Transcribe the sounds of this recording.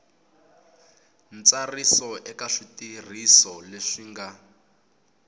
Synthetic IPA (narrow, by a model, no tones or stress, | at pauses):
nt͡sarisɔʔɛkaʂitir̤isɔleʂiːŋɡa